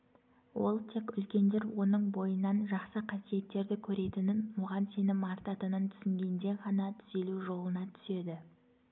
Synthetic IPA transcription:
wo̞̰lˠt̪ʰe̞kʲʏlkʲe̞nd̪eɾwo̞nəɴbo̞jənːɑnʒɑqsəqʰɑsije̞t̪ːe̞ɾd̪ɪkʲʰɵɾe̞t̪ɪnɪnmʊʁɑnse̞nɪmɑɾt̪ɑt̪ənənt̪ʰʏ̥sɪŋɡʲe̞nd̪e̞ʁɑnɑt̪ʰʏ̥se̞luʒo̞lˠənɑt̪ʰʏ̥se̞d̪ɪ

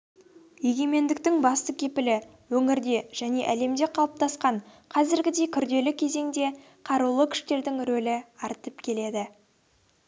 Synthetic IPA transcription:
je̞ɡʲe̞me̞nd̪ɪk̚t̪ɪŋbɑst̪əkʲʰe̞pɪlɪ | wɵŋɪɾd̪e̞ʒ̥æne̞ʔæle̞md̪e̞qʰɑlˠəp̚t̪ʰɑsqɑɴ | qʰɑzɪɾɡʲɪd̪e̞jkʲʰʏɾd̪e̞lɪkʲʰe̞ze̞ŋd̪e̞ | qʰɑɾulˠəkʲʰʏ̥ʃt̪e̞ɾd̪ɪŋɾɵlɪɑɾt̪əpkʲʰe̞le̞d̪ɪ

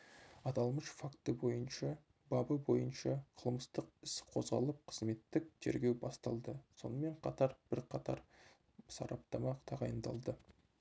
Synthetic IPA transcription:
ɑt̪ɑlˠməʃfakt̪əbo̞jənʃɑ | bɑbəbo̞jənʃɑqʰəlˠməst̪əqɪsqʰo̞zʁɑlˠəp̚qʰə̥zme̞t̪ːɪk̚t̪ʰe̞ɾɡʲe̞wbɑst̪ɑlˠd̪əso̞̰nəme̞ɴqʰɑt̪ɑɾb̥ɪɾqʰɑt̪ɑ̰ɾ | sɑ̰ɾɑp̚t̪ɑmɑqt̪ʰɑʁɑjənd̪ɑ̰lˠd̪ə

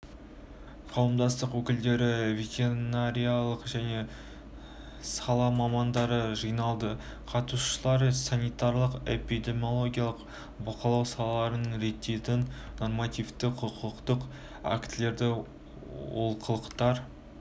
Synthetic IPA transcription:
qʰɑwəmd̪ɑst̪əqwɵkʲɪld̪e̞ɾɪveɡʲenaɾʲijalˠəqʒæne̞ | sɑlˠɑmɑmɑnd̪ɑɾəʒɨjnɑlˠd̪ə | qʰɑt̪uʃəlˠɑɾsɑnijt̪ɑɾlˠəqe̞̰pijd̪e̞mʲjo̞lˠo̞ɡʲijalˠəq | bɑqəlˠɑwsɑlˠɑlˠɑɾənəɴɾe̞t̪ːe̞t̪ɪnno̞rmɑt̪ijft̪ɪqʰʊqʰəqt̪əq | a̰kt̪ɪle̞ɾd̪ɪ | wo̰lˠqʰəlˠəqt̪ɑɾ

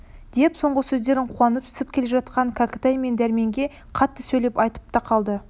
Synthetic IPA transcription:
d̪̥e̞pso̞ɴʁəsɵzd̪e̞ɾɪɴqʰuwɑnəp̚t̪ʰʏ̥sɪp̚kʲʰe̞le̞ʒɑt̪qɑŋkʰakət̪ajme̞nd̪æɾme̞ŋɡʲe̞ | qʰɑt̪ːəsɵjlepɑjt̪ə̥p̚t̪ɑqʰɑlˠd̪ə

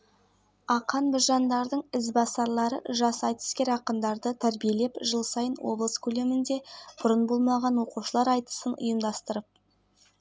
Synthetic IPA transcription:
ɑqɑnbʊʒɑnd̪ɑɾd̪əɴɪzbɑsɑɾlˠɑɾə̰ʒɑsɑjt̪ə̥skʲe̞ɾɑqənd̪ɑɾd̪ət̪ʰæɾbije̞le̞pʒəlˠsɑjənwo̞̰blˠəskʲʰɵle̞mɪnd̪e̞b̥ʊɾənbo̞lˠmɑʁɑnwo̞quʃəlˠɑɾɑjt̪ə̥sənʊ̰jəmd̪ɑst̪əɾəp̚

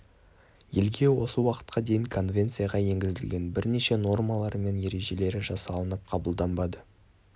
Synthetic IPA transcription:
je̞lɡʲe̞wo̞səwɑqə̥t̪̚qɑd̪e̞jɪŋkʰo̞nvʲe̞nt̪sɨjaʁɑje̞ŋɡʲɪzɪlɡʲe̞nbɪɾne̞ʃe̞no̞rmɑlˠɑɾme̞nje̞ɾe̞ʒe̞le̞ɾɪʒɑsɑlˠənəp̚qʰɑbəlˠd̪ɑmbɑd̪ə

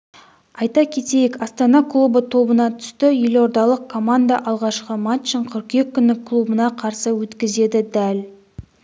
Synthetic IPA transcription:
ɑjt̪ɑkʲʰe̞t̪e̞jekɑst̪ɑnɑklˠubət̪ʰo̞bənɑt̪ʰʏ̥st̪ɪjelo̞ɾd̪ɑlˠəq̚kʰːo̞mand̪aʔɑlˠʁɑʃqəmɑt̪t͡ʃːəɴqʰʏɾqje̞kʲʰːʏnːɪkʰːlˠubənɑqʰɑɾsəwɵt̪kʲɪze̞d̪ɪd̪æl

